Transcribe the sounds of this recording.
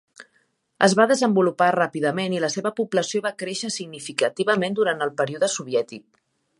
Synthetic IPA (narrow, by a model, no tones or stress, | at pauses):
ə̰zβaðəzəmbuluparapiðəmeniləseβəpubləsioβakɾeʃəsiɡnifikət̪iβəmend̪uɾant̪əlˠpəɾiuðəsuβ̞jɛt̪ik̚